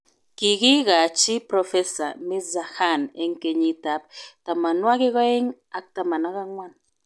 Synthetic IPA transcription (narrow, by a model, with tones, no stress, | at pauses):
ki˨ki˦ɣa˨t͡ʃi˦pɾɔ˨fe˦sa̰˨mi˦za˨xa˦˨ne˦ŋ˦ke˨ɲi˦ta˦˨p̚ta˨ma˨nwa˦ki˦ɣɔ˦e˦ŋ | a˨k̚ta˨ma˨na˦ɣa˦ŋwa˦n